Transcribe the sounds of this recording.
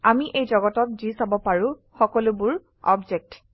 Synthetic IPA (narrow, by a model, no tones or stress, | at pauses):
amiʔejzɔɡɔtɔt̚zisabɔpaɹʊ̃ | xɔkɔlʊbʊɹ | ɔ̰bd͡ʒek̚t